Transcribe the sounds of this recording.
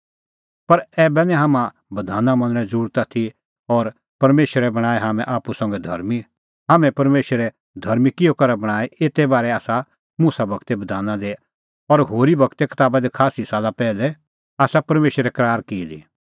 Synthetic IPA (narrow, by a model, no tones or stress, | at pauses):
pɐɾɛːbɛnɛ̃ɦaːmã | bɐd̪ʱaːnãmɐ̃nɾɛ̃d͡zɾuːɾt̪at̪ʰi | ɔːɾ | pɐɾmeːʃəɾɛbɐɽ̃aːeɦaːmɛ̃ʔaːpusɐ̃ːŋɡɛd̪ʱɐ̰ɾmi | ɦaːmɛ̃pɐɾmeːʃəɾɛ | d̪ʱɐɾmikɪjokɐɾabɐɽ̃aːeeːt̪ebaːɾɛaːsa | musabɐkt̪ebɐd̪ʱaːnãd̪e | ɔɾɦoːɾibʱɐkt̪ekɐ̥t̪aːbad̪ikʰaːsisaːlapɛːlɛ | aːsapɐɾmeːʃɾɛkɐɾaːɾkiːd̪ḭ